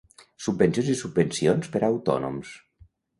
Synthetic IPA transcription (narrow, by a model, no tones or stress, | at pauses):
subːənsjonzisubbənsionspəɾaːwt̪ɔ̰nṵms